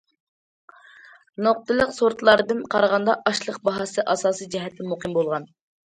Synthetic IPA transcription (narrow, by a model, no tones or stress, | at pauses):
noq̚t̪ɨlˠəqsoɾt̪lˠɑɾɨd̪ɨnqʰɑɾʁɑnd̪ɑʔɑʃlˠəq̚bɑɦɑsɨʔɑsɑːsɨd͡ʒɛɦɛt̪ʰːɛmoqʰɨmbolˠʁɑn